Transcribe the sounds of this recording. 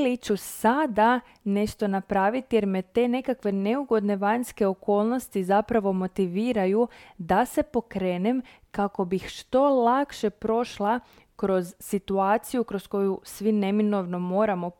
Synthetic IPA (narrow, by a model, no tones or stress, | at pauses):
lit͡ɕusad̪a | ne̞ʃt̪o̞napɾaːʋit̪je̞ɾme̞t̪e̞ːne̞kakʋe̞ne̞uɡo̞d̪ne̞ʋaɲske̞o̞ko̞ːlˠno̞st̪izapɾaʋo̞mo̞t̪iʋiːɾajud̪ase̞po̞kɾe̞ːne̞m | kako̞bixʃt̪o̞lˠakʃe̞pɾo̞ʃlˠa | kɾo̞zːit̪uaːt̪sijukɾo̞sko̞jusʋine̞mino̞ʋno̞mo̞ːɾamo̞